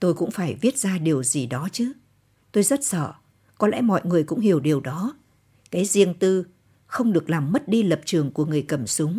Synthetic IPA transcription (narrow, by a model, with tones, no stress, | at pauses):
t̪o˧jkʊ̰˧˥ŋ͡mfaː˧˩jvi˦˥ət̚zaː˧ɗi˨˩əwzi˨˩ɗɔ˨˦t͡ɕɨ˨˦ | t̪o˧jzə˦˥t̚sə̰ː˧˨ | kɔ˨˦lɛ̰˧˥mɔ̰˧˨jŋɨ˨˩əjkʊ̰˧˥ŋ͡mhi˨˧˩əwɗi˨˩əwɗɔ˨˦ | kaː˨˦jzi˧əŋt̪ɨ˧ | xə˧wŋ͡mɗɨ˨˩ək̚laː˨˩mːə˦˥t̚ɗi˧lə˨˩p̚t͡ɕɨ˨˩əŋku˧˩əŋɨ˨˩əjkə˧˩msʊ˨˦ŋ͡m